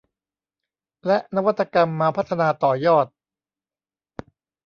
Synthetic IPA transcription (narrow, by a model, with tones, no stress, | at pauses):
lɛ˦˥ʔna˦˥wa˥t̪ʰːa˧ka˧mːaː˧pʰa˦˥t̪ʰːa˧naː˧t̪ɔː˨˩jɔː˥˩t̪̚